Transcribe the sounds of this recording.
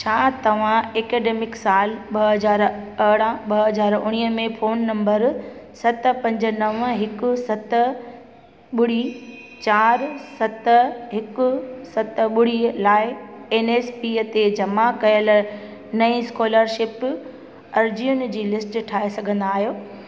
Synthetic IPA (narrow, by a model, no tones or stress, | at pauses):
t͡ɕʰaːt̪ɐʋ̤ãeːkeːɖeːmɪksaːlɓɐɦɐzaːɾɐɽãɓɐɦɐzaːɾʊɽ̃iːəmẽfoːnːɐ̃mbəɾsɐt̪̆pɐ̃ɲd͡ʑə̆nɐʋəɦɪkʊ̆sɐt̪̆ | ɓʊɽ̤i | t͡ɕaːɾsɐt̪ɦɪkʊ̆sɐt̪ɓʊɽ̤ilaːɪeːneːspiːt̪ed͡ʑɐmakɐjəl | nɐĩskoːləɾʃɪp | ɐɾd͡ʑijʊnd͡ʑiːlɪsʈʈʰaːesɐɡʱə̃nd̪aːɦijoː